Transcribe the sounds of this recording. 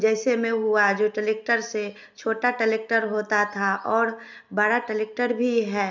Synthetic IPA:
d͡ʒɛːsemẽɦuad͡ʒoːʈəleːk̚ʈəɾse | t͡ʃʰoːʈaʈəleːk̚ʈəɾɦoːt̪at̪ʰaʔɔːɾ | baːɾaʈəleːk̚ʈəɾbʱiɦɛː

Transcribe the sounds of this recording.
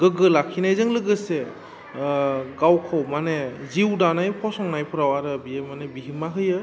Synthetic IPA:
ɡɯɡɯlakʰinajzɯŋlɯɡɯse | ɡawkʰɔwmaneziwdanajpʰɔsɔŋnajpʰɯɾawaɾɯbiemanebiɦimaɦɯjɯ

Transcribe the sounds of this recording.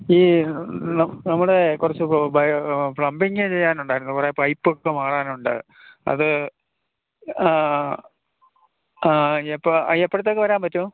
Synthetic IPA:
iːnɐnɐmːuɽekurɐt͡ɕːɨbɐfɭɐmbiŋɡet͡ɕe̞jːaːnuɳɖaːiɾunːɨkureɐpːɐjpːokːemaːɽaːnuɳɖɨ̰ | ɐ̰ðɨ | epːepːoɽɐt̪̬ːokːeʋɐɾaːmpɐtːu

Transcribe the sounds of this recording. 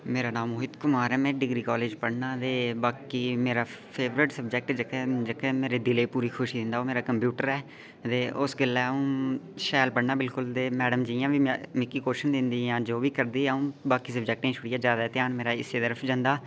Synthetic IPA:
meːɾaːnãːmoːɪd̪kʊmaːɾɛːmɛ̃ːɖɪɡɾiːkaːleːd͡ʒpəɽnaːt̪eːbaːkiːmeːɾaːpʰeːʋɾɪʈsəbd͡ʒɛk̚ʈd͡ʒəkɛːd͡ʒəkɛmeːɾeːd̪ɪleːpuːɾiːkʰʊʃiːd̪ɪ̃nd̪aːoːmeːɾaːkəmpjuːʈəɾɛː | t̪eːʔʊsɡɪlːɛːũːʃɛːlpəɽnaːbɪlkʊlt̪eːmɛːɖəmd͡ʒiːjãːʋĩːmɪkːiːkoːɪʃənd̪ɪ̃nd̪iːãːd͡ʒoːʋiːkəɾd̪iːɛũːbaːkiːsəbd͡ʒɛk̚ʈẽːt͡ʃʰʊɽɪjaːd͡ʒjaːd̪at̪ɪjaːnmeːɾaːɪsːeːt̪əɾəfʰd͡ʒãnd̪aː

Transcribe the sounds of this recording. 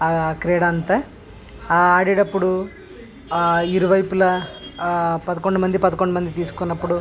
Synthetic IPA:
kɾeːɽɐnt̪ɐ | aːɽiɽɐpːuɽu | iɾuʋɐjpulɐ | pɐd̪ɐkoɳɖumɐnd̪ipɐd̪ɐkoɳɖɐmɐnd̪it̪iːsu̥kunːɐpːuɽu

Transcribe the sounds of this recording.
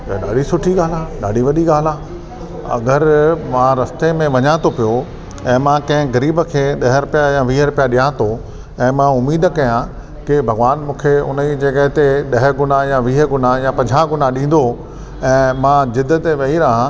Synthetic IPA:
aɗaːɖisʊʈʰiɡaːl̤aːɗaːɖʱiʋɐɗiɡaːlaː | ɐ̰ɡəɾmãɾɐst̪emẽʋɐɲãːt̪opijo | ɛ̃ːmãkɐ̃ɦɪ̃ɡɐɾiːbəkʰeːɗɐɦəɾʊpijajaʋiːɦəɾʊpijaɗiãːt̪o | ɛ̃ːmãʊmiːd̪kɐjã | kɪbʱɐɡʋaːnmũːkʰeʊ̰nəid͡ʑeːkəɦɪt̪eɗɐɦɡʊnajaʋiːɦəɡʊnajapɐ̃ɲd͡ʑʱãɡʊnaɗĩːn̆d̪o | ɛ̃ːmãːd͡ʑɪd̪ət̪ʋɐiɾaːɦã

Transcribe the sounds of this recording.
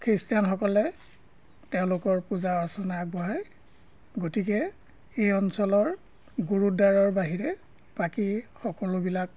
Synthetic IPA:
kʰɹistijanxɔkɔlɛ | tɛʊ̃lʊkɔɹpuzaɔɹsɔnaaɡ̚bɔɦaj | ɡotikɛ | ejɔnsɔlɔɹ | ɡuɹudaɹɔɹbaɦiɹɛ | pakixɔkɔlobilak

